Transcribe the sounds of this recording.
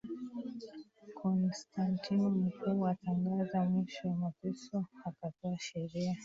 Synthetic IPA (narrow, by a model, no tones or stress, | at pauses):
kʰɔnstantinm̩kʰuːwataŋɡazamwiʃɔwamapɛsɔakatɔaʃɛɾia